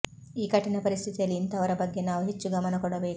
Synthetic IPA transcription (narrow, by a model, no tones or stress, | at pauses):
iːkɐʈːinɐpɐɾist̪ʰit̪ijɐluint̪ɐʋɐɾɐbɐɡːenaːʋuɦet͡ʃːuɡɐmɐnɐkɔɽɐbeːk